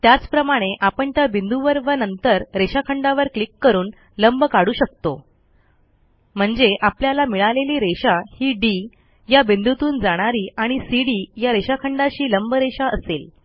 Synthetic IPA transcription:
t̪jat͡spɾəmaɽ̃eʔapəɳt̪jabind̪uʋəɾʋənənt̪əɾɾeɕakʰəɳɖaʋəɾklikːəɾuːn | ləmbkaɽuːɕək̚t̪o | m̤əɳd͡zeʔapljalamiɭaleliːɾeɕahiːɖi | jabind̪ut̪uːnd͡zaɽ̃aɾiːaɽ̃isiɽiːjaɾeɕakʰəɳɖaɕiːləmbɾeɕaʔəsel

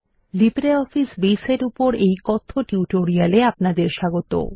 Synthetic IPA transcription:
libɾeɔfisbeseɾupoɾejkɔt̪ʰːoʈuʈoɾialeapnad̪eɾʃaɡot̪o̰

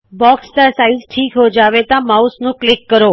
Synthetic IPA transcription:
bɔkst̪asaizʈʰiːkɦod͡ʒaʋet̪ãmausnũklɪkːəɾo

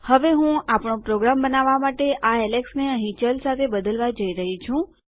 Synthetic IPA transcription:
həʋeɦũapɳ̃õpɾoɡɾambənaʋamaʈeʔaɛleksneəɦĩt͡ʃəlsat̪ʰebəd̪əlʋad͡ʒəiɾəɦit͡ʃʰũ

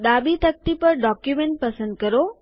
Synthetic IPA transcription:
ɗ̪abit̪ək̚t̪ipəɾɖɔkjumẽɳʈ̚pɐsə̃nd̪̚kəɾo

